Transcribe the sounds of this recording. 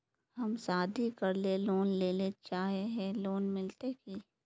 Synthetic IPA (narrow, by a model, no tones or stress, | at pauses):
hɐmsaːd̪ʱikɐɾleloːnleːlet͡ʃaːɦeɦɛloːnmɪlt̪eki